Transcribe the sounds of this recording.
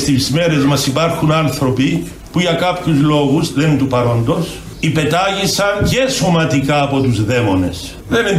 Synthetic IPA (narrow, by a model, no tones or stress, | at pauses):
st̪izme̞ɾe̞zmɐsipɐɾxunɐnθɾo̞pi | puʝɐkɐpçuzlo̞ɣuzðent̪upɐɾo̞nd̪o̞s | ipe̞t̪ɐʝisɐnce̞somɐt̪ikɐːpo̞t̪uzðe̞mo̞ne̞s | ðenin